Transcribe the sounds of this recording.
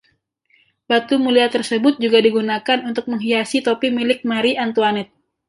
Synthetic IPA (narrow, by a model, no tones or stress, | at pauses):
bat̪umuliat̪ərsəbʊt̪̚d͡ʒuɡadiɡunakanunt̪ʊk̚məŋɦiasit̪opimilɪk̚maɾiant̪uanɛt̪̚